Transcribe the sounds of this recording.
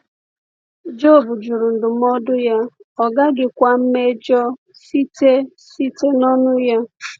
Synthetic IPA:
d͡ʒo˦˨bʊ˨d͡ʒu˨ɾu˨n̩˨dʊ˨m̩˦ɔ˦dʊ˦ja˦ɔ˨ɡa˦ɡɪ˨kʷa˦m̩˦me˦d͡ʒɔ˦ | si˦te˦ | si˦te˦nɔ˦nʊ˦ja˦

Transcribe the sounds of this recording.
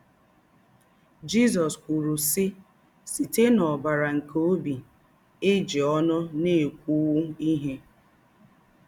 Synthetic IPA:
d͡ʒi˦zɔ˨skʷu˨ɾu˨sɪ˦ | si˨te˦nɔ˨ba˨ɾa˨ŋ̩˨kʰo˦bi˨ | e˦d͡ʒi˨ɔ˦nʊ˦ne˦˨e˨kʷu˦wu˦i˦ɦe˦

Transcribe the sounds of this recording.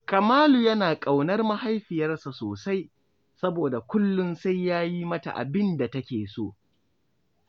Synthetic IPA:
kɐ˨maː˦lu˨jɐ˦naː˨kʼa˨wnɐ˦rmɐ˦ha˦jɸɪ˨jɐ˦rsa˨soː˨sa˦j | sɐ˦boː˨da˨kʷʊ˦lːʊ˦nsa˦jːaː˦ji˦mɐ˦ta̰˨ʔa̰˨bɪ˦nda˨tɐ˦kʲeː˨soː˦˨ʔ

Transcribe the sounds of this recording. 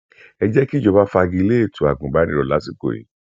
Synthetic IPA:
ɛ˧d͡ʒɛ˦ki˦d͡ʒɔ˧ba˦fa˧ɡĩ˧i˧le˦e˦˨tʰu˨a˨ɡũ˨ba˨˦nĩ˦ɾɔ˨la˨˦si˦˨ko̰˨ḭ˨˦

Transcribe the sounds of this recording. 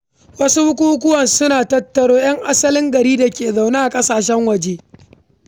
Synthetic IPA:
wɐ˦su˦hʊ˦kʷu˦ʊ˦k̬ʷʊ˦wɐ˨nsʊ˦naː˨tɐ˦tːɐ˨ɽoː˦j̰ɐ˦ŋʔa˦sɐ˦lɪ˦ŋɡɐ˨ɾiː˦da˨kʲeː˨za˨wna˦ʔa˨kʼɐ˦saː˨ʃ̬ɛ˦ŋwɐ˨d͡ʒeː˦

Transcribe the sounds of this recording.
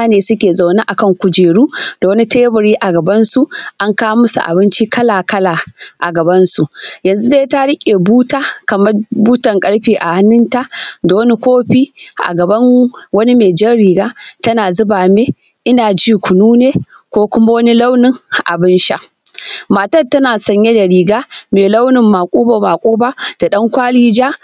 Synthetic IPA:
a˦neː˨sʊ˦kʲeː˨za˨wna˦ʔa˨kɐ˦˨ŋkʷʊ˨d͡ʒeː˨ɽuː˦d̥a˨wɐ˦ni˦teː˦bɐ˨ɽiː˦ʔa˨ɡɐ˨bɐ˦nsu˨ʔa˦ŋkaː˦mʊ˦sṵ˨ʔa̰˨bɪ˦nt͡ʃi˦kɐ˦laː˨kɐ˦laː˨ʔa̰˨ɡɐ˨bɐ˦nsu˨ʔjɐ˨nzu˦deː˦ta˦ɽɪ˦kʲʼeː˨buː˦taː˦kɐ˨mɐ˦rbuː˦tɐ˨ŋkʼɐ˦ɽɸiː˨ʔa˨ha˦nːɪ˦nta˦ʔda˨wɐ˦ni˦kʷoː˦ɸiː˦ʔa̰˨ɡɐ˨bɐ˦n˦wɐ˦ni˦meː˨d͡ʒɐ˦rɽiː˨ɡaː˦tɐ˦naː˨zʊ˦baː˨meː˦ | ʔɪ˦naː˨d͡ʒiː˦kʷʰʊ˨nuː˦neː˦ | kʷoː˦kʷʊ˦ma˦wɐ˦ni˦la˦wnɪ˨ŋ˨ʔa̰˨bɪ˦nʃa˦ʔ | maː˨tɐ˦tɐ˦naː˨sɐ˨ɲje˦da˨ɽiː˨ɡaː˦meː˨la˦wnɪ˨mːa˨kʷʼuː˦ba˨maː˨kʼuː˦baː˦d̥a˨ɗɐ˦ŋkʷaː˦liː˦d͡ʒaː˦

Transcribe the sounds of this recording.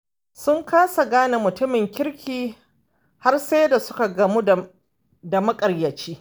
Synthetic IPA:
sʊ˦ŋkaː˦sa˨ɡaː˦na˨mʊ˨tʊ˦mɪ˨ŋkʲɪ˦ɾkʲʰiː˨ | ha˦rse˦da˨sʊ˦ka˨ɡɐ˨mu˦˨ | da˨mɐ˦kʼɐ˨rjɐ˨t͡ʃiː˦

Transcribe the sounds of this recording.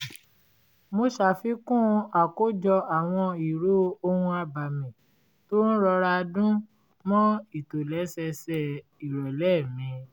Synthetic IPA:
mo˧ʃa˨fi˨˦kũ˦˧a˨ko˦d͡ʒɔ˧a˨w̃ɔ̃˧i˨ɾo˦o˧hũ˧a˧ba˨mĩ˨ | to˦ñ̩˦ɾɔ˧ɾa˧dũ˦ | mɔ̃˦i˦˨to˨lɛ˨˦sɛ˧sɛ˧˨ | i˨ɾɔ˨lɛ˦˨mĩ˧˦

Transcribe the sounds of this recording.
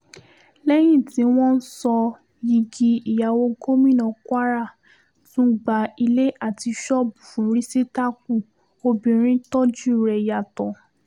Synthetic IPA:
lɛ˦j̃ĩ˦˨tĩ˨˦w̃ɔ̃˦n̩˦sɔ˧ | ji˧ɡi˧i˨ja˨wo˧ko˦mĩ˦˨nɔ̃˨kwa˦ɾa˦˨ | tũ˦ɡ͡ba˨i˧le˦ʔa˦˨ti˧ʃɔ˦bu˨fũ˨˦ɾi˦se˦ta˦k̚u˦˨ | o˧bĩ˧ɾ̃ĩ˦tɔ˦d͡ʒu˦˨ɾɛ˧˨ja˨tɔ̃˨

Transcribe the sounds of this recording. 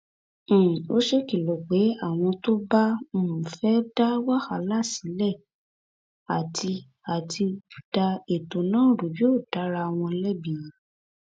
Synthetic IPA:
o˦ʃe˦ki˨lo˨ɡ͡be˨˦a˦˨w̃ɔ̃˧to˦ba˦o˦˨mũ˨fɛ˨˦da˦wa˦ha˨˦la˦˨si˨˦lɛ˦˨ | a˨tʰi˧ | a˨tʰi˧˨d̥a˧e˨to˨nãː˦˨ɾu˨˦jo˦˨d̥a˨˦ɾa˧w̃ɔ̃˧lɛ˦bĩ˦˨ji˨˦

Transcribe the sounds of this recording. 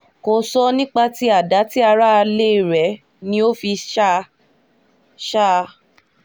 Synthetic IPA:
ko˧sɔ˦nĩ˦k͡pa˧ti˦a˦˨da˨˦ti˦a˧ɾa˦˧le˦˨ɾɛ˨˦ | nĩ˧o˦fi˧ʃa˦ | ʃa˦˧

